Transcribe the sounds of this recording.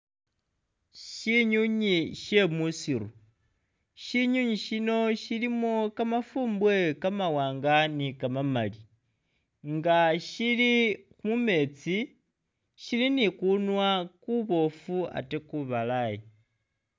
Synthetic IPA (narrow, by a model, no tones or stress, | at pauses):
ʃiɲuɲiʃe̞musiɾu | ʃiɲuɲiʃino̞ʃilimokamafuːmbwe̞kamawaːŋɡanikamamali | ŋɡaʃilixumume̞t͡si | ʃilinikunwakuβo̞fua̰tekuβalaji